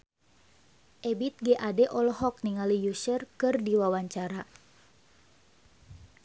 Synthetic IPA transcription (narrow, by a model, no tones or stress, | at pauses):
ʔɛbit̪̚ɡɛʔadɛʔɔlɔɦɔk̚niŋalijusərkɨrdiwawaɲt͡ʃaɾa